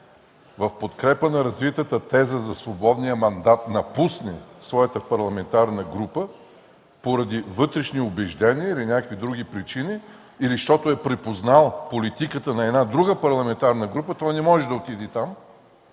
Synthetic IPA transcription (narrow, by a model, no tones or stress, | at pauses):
vɐfpot̪kɾɛpənɐɾɐzvit̪ət̪ət̪ɛzəzɐsvobɔd̪nijəmɐnd̪at̪nɐpusnɛsvɔjət̪əpɐɾlˠɐmɛnt̪aɾnəɡɾupə | poɾɐd̪ivɤt̪ɾɛʃniʊbɛʒd̪ɛniəilinʲakkvid̪ɾuɡ̟ipɾit͡ʃiniː | liʃt̪ɔt̪ʊɛpɾɛpoznalˠpolit̪ikət̪ənɐɛd̪nad̪ɾuɡəpɐɾlˠɐmɛnt̪aɾnəɡɾupət̪ɔjnɛmɔʒɛd̪ɐot̪id̪ɛt̪am